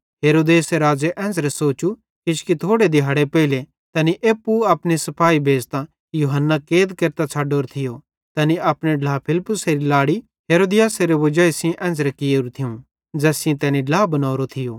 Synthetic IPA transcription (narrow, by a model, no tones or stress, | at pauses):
ɦeːɾoːd̪eːseɾaːd͡zeʔɛ̃ːd͡zɾɛsoːt͡ʃu | kɪʃkit̪ʰoːɽed̪ɪɦaːɽepɛɪle | t̪ɐniʔeːpːuɐpnesɐpʰaːibʱeːd͡zt̪ã | juːɦənːakeːd̪keɾt̪at͡sʰaːɖoːɾt̪ʰɪjo | t̪ɐniɐpɽ̃eɖlaːpʰɪlpːʊseɾilaːɽi | ɦeːɾoːd̪ɪjaːseɾeʋɐd͡ʒaːisĩʔɛ̃ːnd͡zɾɛkɪjeːɾut̪ʰɪũ | d͡zɛːsɪ̃ẽt̪ɛːniɖlaːbɐnaːɾot̪ʰɪjoː